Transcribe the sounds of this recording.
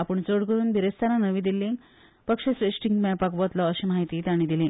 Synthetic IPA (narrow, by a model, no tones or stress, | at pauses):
apəɳt͡soɽɡʱəɾuːnbʱiɾest̪aɾanəʋĩd̪ilːĩŋ | pəkʂəsɾesʈiŋɡmapakʋɔt̪lɔəɕiːmaɦit̪iːt̪aɽ̃id̪ilẽŋ